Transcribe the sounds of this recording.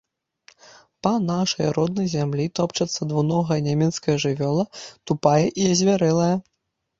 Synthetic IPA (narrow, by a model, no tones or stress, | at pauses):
pɐnaʂɐjrɔd̪̚nɐjzʲamlʲit̪ɔpt͡ʂɐt̪sːɐd̪vunɔɣɐjɐnʲamʲɛt̪skɐjɐʐɨvʲɔlˠɐt̪upajɛʔiɐzʲvʲaɾɛlˠɐjɐ